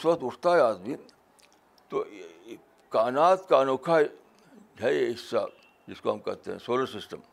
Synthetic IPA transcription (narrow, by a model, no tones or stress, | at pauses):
sʋɐt̪ust̪aːjaːt̪bi | t̪o | kaːnaːt̪kaːnokʰaj | d͡ʒʱɐjeisːa̰ | diskoɐmkɐt̪ːḛnsoːlɐsisʈɐm